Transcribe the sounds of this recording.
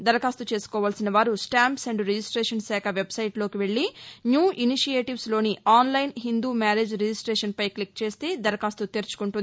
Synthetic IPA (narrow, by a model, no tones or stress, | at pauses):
d̪ɐɾɐkaːst̪ut͡ʃe̞ːsu̥kɔːʋaːlsinɐʋaːɾusʈaːmpsɐɳɖɾed͡ʒisʈɾeːʂɐnsɛːkʰɐʋe̞bsɐjʈlo̞ːkiʋe̞ɭːinjuːʔiniʃijeːʈiʋslo̞ːniʔaːnlɐjnɦind̪uːmaːɾeːd͡ʒɾed͡ʒisʈɾeːʂɐnpɐjklikt͡ʃe̞ːst̪e̞ːd̪ɐɾɐkaːst̪ut̪eːɾt͡ʃu̥kuɳʈund̪i